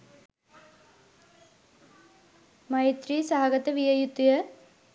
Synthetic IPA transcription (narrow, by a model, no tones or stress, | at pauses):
mɐjt̪ɾisaːɐɡɐt̪ɐʋijɐjut̪ːijɐ